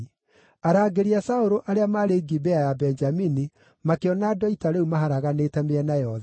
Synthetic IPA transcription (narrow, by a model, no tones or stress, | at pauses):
aɾaːɡeɾiasaoɾoʔaɾeamaːɾeɡibɛajabɛnd͡ʒamini | makeɔnadɔitaɾeumaɦaɾaɣanetɛmeɛnajɔð